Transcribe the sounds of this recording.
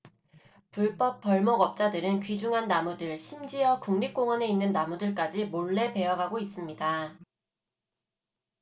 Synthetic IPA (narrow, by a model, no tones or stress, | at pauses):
puɭp͈ʌp̚p͈ʌɭmʌɡʌp̚t͡ɕ͈adɯɾɯnkɥid͡ʑuŋɦanːamudɯɭɕʰimd͡ʑijʌkuŋnik͈oŋwʌne̞inːɯnːamudɯɭk͈ad͡ʑimoɭːe̞pe̞ʌɡaɡois͈ɯmɲida